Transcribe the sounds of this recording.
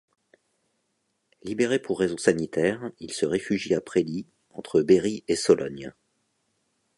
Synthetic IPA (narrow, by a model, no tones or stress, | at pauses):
libeʁepuʁːezɔ̃sanit̪ɛʁilsəʁefyʒiapχeli | ɑ̃t̪χəbeʁiesɔlʔɔ̰n